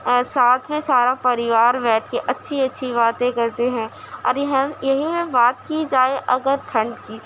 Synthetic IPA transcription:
saːt̪ʰmẽsaːɾapɐɾɪʋaːɾbɛːʈʰkeʔɐtːʃʰiɐtːʃʰibaːt̪ẽkɐɾt̪eɦɛ̃ | ɔ̰ːɾjɐɦjɐɦĩmẽbaːt̪kid͡ʒaːeʔɐɡəɾt̪ʰɐ̃ɳɖkiː

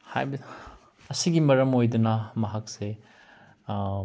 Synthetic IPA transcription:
hajb | ɐsiɡimɐɾɐmojdunɐmɐɦak̚se

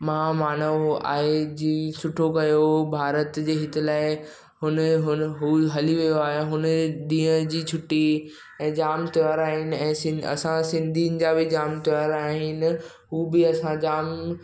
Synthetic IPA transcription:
mɐɦamaːnəʋa̰ːɦed͡ʑiːsʊʈʰokɐjobʱaːɾət̪d͡ʑeːɦɪt̪ɪlaːɪ | ɦʊnəɦʊnɦuɦɐliʋijoaːɦeɦʊnəɗ̪ĩːə̃d͡ʑiːt͡ɕʰʊʈi | ɛ̃ːd͡ʑaːmt̪ɪʋaɾaːɦɪnɪ̆ɛ̃ːsɪ̃ɐ̰sãsɪ̃nd̪ʱinɪ̆d͡ʑabʱɪd͡ʑaːmt̪iʋaɾaːɦɪnɪ̆ | ɦuːbɪɐsãd͡ʑaːm

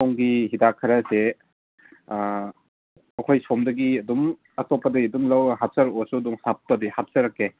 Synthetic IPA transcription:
ɔwŋɡihidakʰːɯɾase | ɐkʰojsɔmdɐɡiɐdum | atɔpːadɐɡiɐdumlawaɦap̚sɐɾɔsuduŋsap̚tadihap̚saɾakːe

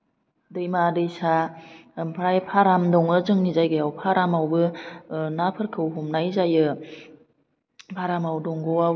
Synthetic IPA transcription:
dɯjmadɯjsa | mpʰɾajpʰaɾamdɔŋɯzɯŋnizajɡɯjawpʰaɾamawbɯnapʰɯɾkʰɯwɦɔmnajzajɯ | pʰaɾamawdɔŋɡɔwa

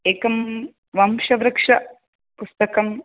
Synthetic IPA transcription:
eːkɐm | ʋɐmʃɐʋɾɐkʂɐ | pust̪ɐkɐm

